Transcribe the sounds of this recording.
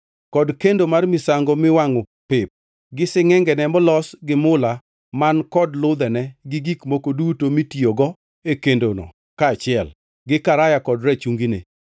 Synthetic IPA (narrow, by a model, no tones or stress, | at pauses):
kɔdkendomarmɪsaŋɡɔmɪwaŋɔ | pɪp̚ | ɡɪsɪŋɛŋɡɛnɛmɔlɔsɡɪmʊla | mankɔdlʊd̪ɛnɛɡɪɡikmokodutomitioɡɔ | ekendonɔ̰ | kaːt͡ʃɪɛl | ɡɪkaɾajakɔdɾɛt͡ʃuŋɡinḛ